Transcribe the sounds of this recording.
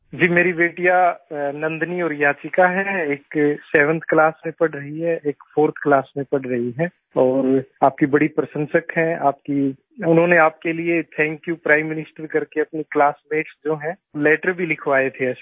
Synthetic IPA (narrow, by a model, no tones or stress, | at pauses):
d͡ʒiːmeːɾibeːʈijanɐ̃nd̪niɔːɾjaːt͡ʃɪkaɦɛeːksɛːʋə̃nt̪ʰklaːsmẽpɐɽɾɐɦiɦɛeːkfʰoːɾt̪ʰklaːsmẽpɐɽɾɐɦiɦɛː | ɔːɾaːp̚kibɐɽipɾɐsə̃nsəkɦɛ̃aːp̚ki | ʊnɦõneaːp̚keliet̪ʰɛ̃ːŋkjupɾaːɪ̃mːɪnɪsʈəɾkɐɾkeɐpniklaːsmeːʈsd͡ʒoːɦɛ̃ | lɛːʈəɾbʱilɪkʰʋaːet̪ʰeɐʃ